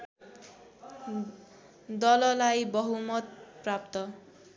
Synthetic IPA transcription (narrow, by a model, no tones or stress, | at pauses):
d̪ʌlʌlajbʌɦumʌt̪̚prap̚t̪ʌ